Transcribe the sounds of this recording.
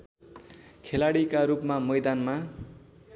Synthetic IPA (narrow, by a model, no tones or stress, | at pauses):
kʰelaɽikaɾupmamʌjd̪anma